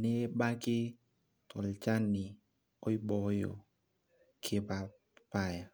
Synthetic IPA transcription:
ne˦ba˦kɪ˦ | t̪ɔ˨lt͡ʃa˦nːi˨ | o˦jbɔ˨jo̰˨ | kʰe˧pa˨ | pa˦˨ja˨

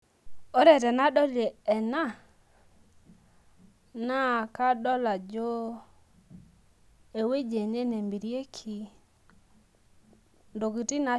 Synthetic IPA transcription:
o˦ɾɛ˨tɛ˨na˦ɗɔ˦leː˨na˦ | na˦ka˦ɗɔ˦la˨d͡ʒo˦ | e˨we˦d͡ʒe˨ne˦ne˨mbi˨ɾje˦kʰi˨ | ndo˨ki˨ti˦na˨

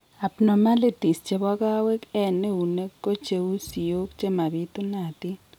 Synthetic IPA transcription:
a˨pno˨ma˦li˦ti˨st͡ʃe˨bɔ˦ka˦we˦kɛ˦˨ne˦u˨ne˦kːo˦t͡ʃe˨u˦si˨o˦kt͡ʃe˦ma˨bi˦t̪u˦na˨t̪ɪ˦

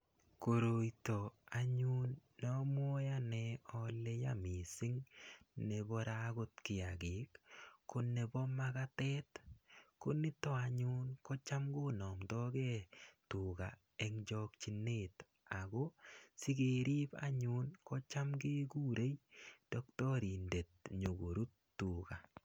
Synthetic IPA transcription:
ko˨ɾo˨jto˨a˨ɲu˦nːɔmɔ˦ja˦nɛ˨ɔ˦le˦ja˨mi˨sɪ˦ŋnebɔ˦ɾaɡo˦tkɪ˨a˨ɡe˨kkːo˦ne˨bɔ˦ma˦ka˦tɛ˦tko˦ni˦tɔ˦aɲʊ˦nkɔ˦t͡ʃa˦mɡo˦nɔ˨mtɔ˦ɡɛ˦tu˨ɡa̰˨ | ɛ˦ŋd͡ʒɔ˦kt͡ʃi˨ne˦t | a˨ɡɔ˦si˦ɡe˨ɾi˦pa̰˦ɲu˦nkɔ˦t͡ʃa˦mɡe˦ku˦ɾe˦jd̥ɔ˦ktɔ˦ɾi˨nde˨t̚ɲo˨ɡo˨ɾu˦tːu˨ka˨

